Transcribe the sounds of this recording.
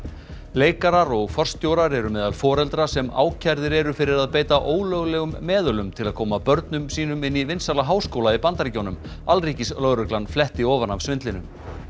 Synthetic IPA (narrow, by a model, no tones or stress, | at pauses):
leːjkaɾaɾɔɣfɔr̥st̪jowɾaɾɛɾʏmɛːðalfɔːɾɛlt̪ɾasɛma̰ːwcʰaɾðɪɾɛɾʏfɪɾɪɾaðpeːjt̪aʔoːwlœɣlɛːɣʏmːɛːðʏlʏmt̪ʰɪlaðkʰɔːmapœɾt̪nʏmsiːnʏmɪnːivɪnsalaɦaːwskowlaipant̪aɾcownʏm | alriːcɪslœɣɾʏklanflɛht̪iɔːvanav̥svɪnt̪lɪnʏ̰m